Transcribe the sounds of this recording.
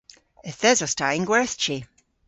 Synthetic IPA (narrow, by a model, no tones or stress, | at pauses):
ɛθɛzɔstaɪŋɡwɛθt͡ʃi